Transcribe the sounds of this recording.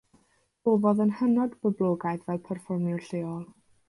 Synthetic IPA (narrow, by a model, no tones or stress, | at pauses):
b̥oːvɔðənhənɔdbəblˠoːɡajðvɛlˠpʰɛrfɔrmjʊrɬeːɔlˠ